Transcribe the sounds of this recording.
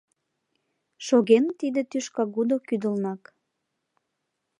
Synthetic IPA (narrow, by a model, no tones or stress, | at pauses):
ʃoɣent̪id̪et̪yʃkɑɣud̪okyd̪əlnɑk